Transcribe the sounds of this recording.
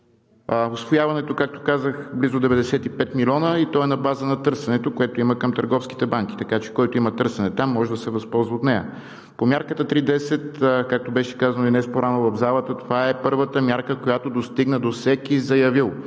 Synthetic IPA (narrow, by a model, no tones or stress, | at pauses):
ʊsvojavɐnɛt̪okak̚t̪o̥kazəxblizod̪ɛvɛd̪ɛsɛt̪ipɛt̪milʲɔnəit̪ɔɛnɐbazənɐt̪ɤɾsɛnɛt̪okoɛt̪oiməkəmt̪əɾɡɔfski̥t̪ɛbaŋk̟i̥t̪ɐkat͡ʃɛ̥kɔjt̪oʊimət̪ɤɾsɛnɛt̪amːɔʒɛd̪ɐsɛvɐspɔlˠzvəot̪nɛjə̰ | pomʲjaɾkət̪ət̪ɾid̪ɛsɛt̪kak̚t̪obɛʃɛ̥kazɐnoinɛspoɾanovɐvzalˠət̪ət̪ovaɛpɤɾvət̪əmʲjaɾkəkojat̪od̪ost̪iɡnəd̪osɛkizɐjɐvilˠ